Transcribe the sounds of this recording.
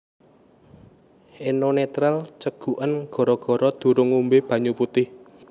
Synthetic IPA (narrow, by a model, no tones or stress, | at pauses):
ʔenonet̪ɾalt͡ʃəɡ̥ṳʔənɡ̥ɔ̤ɾɔɡ̥ɔ̤ɾɔd̪̥ṳɾʊŋumbeb̥ä̤ɲuput̪ɪh